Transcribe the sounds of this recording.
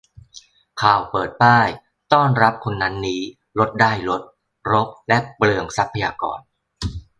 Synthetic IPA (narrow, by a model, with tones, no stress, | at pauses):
kʰaː˨˩wpɤː˨˩t̪̚paː˥˩j | t̪ɔː˥˩nɾa˦˥p̚kʰo˧nːa˦˥nːiː˦˥ | lo˦˥t̪̚daː˥˩jlo˦˥t̪̚ | ɾo˦˥p̚lɛ˦˥plɯ˧əŋsa˦˥pʰːa˧jaː˧kɔ̰ː˧n